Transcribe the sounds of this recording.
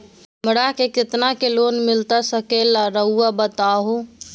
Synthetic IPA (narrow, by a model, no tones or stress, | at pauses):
məɽakekɪt̪nakelonmilt̪asəkelaɾəɦuabət̪aɦũ